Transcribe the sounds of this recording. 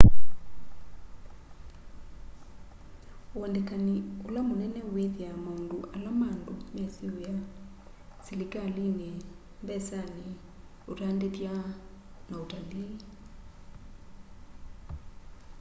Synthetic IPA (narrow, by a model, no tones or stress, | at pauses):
oɔndɛkaniolamonɛnɛweðiamaundoʔalamaːndomɛsioja | silikaline | mbɛsani | otandetja | naotaliː